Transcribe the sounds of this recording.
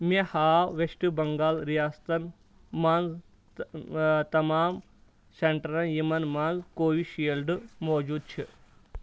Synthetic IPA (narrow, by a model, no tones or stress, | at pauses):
mehaːʋeʃʈubɐŋɡaːlɾijaːst̪ɐn | manz | t̪ɐmaːm | sɐɳʈɐɾɐnjimɐnmanzkoːʋiʃiːlɖɨmɔːd͡ʒuːd̪̚t͡ʃʰi